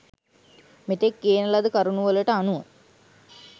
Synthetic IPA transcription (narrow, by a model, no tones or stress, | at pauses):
met̪ekːeːnɐlɐd̪ukaɾunuʋələʈəanuə